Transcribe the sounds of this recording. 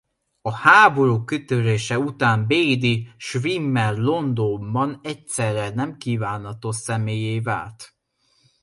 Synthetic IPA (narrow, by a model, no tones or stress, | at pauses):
ɒhaːbo̞ɾuːkøt̪øɾeːʃɛut̪aːmbeːjd̪iʃvimːɛrlo̞nd̪ombɒnɛcsɛrːɛnɛmkiːvaːnɦɒt̪osɛmeːjejva̰ːlt̪